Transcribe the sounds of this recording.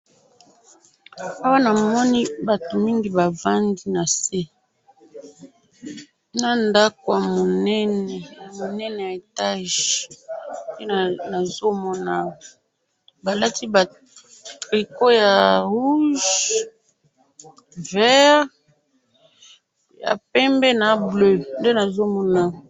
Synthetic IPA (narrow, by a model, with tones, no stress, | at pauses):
a˦wa˦na˨mɔ˦ni˦ba˨to˨mi˦ŋɡi˦ba˨va˦ŋɡi˦na˨se˦ | na˦nda˦ko˨ja˨mo˨nɛ˦nɛ˨mo˨nɛ˦nɛ˨ja˨e˨ta˦ʒ | je˦˨na˨zo˦mɔ˦na˨ | ba˨la˦ti˦ba˨ | tʁi˨ko˦ja˨ʁu˦ʒ | vɛ˦ʁ | ja̰˨pɛ˦mbɛ˦na˨blø˦nde˦na˨zo˦mɔ˦na˨